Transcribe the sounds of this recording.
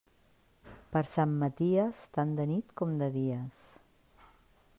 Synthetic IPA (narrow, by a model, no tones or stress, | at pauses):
pəɾsamːət̪iəst̪and̪ənit̪kɔmd̪əðiəs